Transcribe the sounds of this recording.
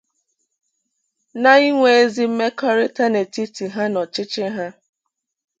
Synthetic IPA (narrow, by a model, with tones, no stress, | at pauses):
na˦i˦ŋʷe˨e˦zi˦m̩˦me˦kɔ˦ɾɪ˦ta˦ne˨ti˦ti˨ɦa˦nɔ˨t͡ʃɪ˦t͡ʃɪ˦ɦa˦